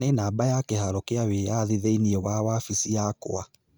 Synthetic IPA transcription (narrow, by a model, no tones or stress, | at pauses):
ɛnaːbajakɛhaɾɔkeaweːjaðiðeiniɛwawaːfisijako̰a